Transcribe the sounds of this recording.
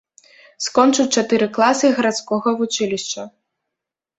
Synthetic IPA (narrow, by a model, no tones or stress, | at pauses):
skɔnt͡ʂɨwʲt͡ʂat̪ɨɾɨklˠasɨɣɐɾat̪skɔɣɐvut͡ʂɨlʲiʂt͡ʂɐ